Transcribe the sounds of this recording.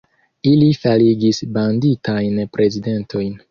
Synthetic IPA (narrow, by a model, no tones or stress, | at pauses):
ilifaliɡisbanditajnpɾʔe̞zide̞ntʰo̞jn